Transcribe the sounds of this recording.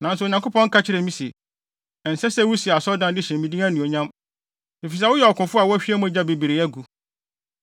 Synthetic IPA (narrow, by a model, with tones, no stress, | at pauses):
nã˨n˦sʊ˨ɲã˨ko˦pʰɔ̃˦ŋ̩˦kʰa˦t͡ɕʰɪ˦ɾɛ˨mĩ˦si˨ | ɛ˨n̩˨sɛ˦sɛ˦wu˦si˨a˨sɔ˦dã˦dɪ˦ɕɛ̃˨m˨mĩ˨dĩ˦ã˦nũ˨o˨ɲã˦m | e˨fi˨s̬a˦wʊ˦jɛ˨ɔ˨kʰʊ̃˨fʊ˦a˨wʊ˦æ˦ɕᶣi˦ɛ˦mũ˦˨d͡ʑa˦be˨bi˨ɾɪ˨˦ɛ˦ɡu˨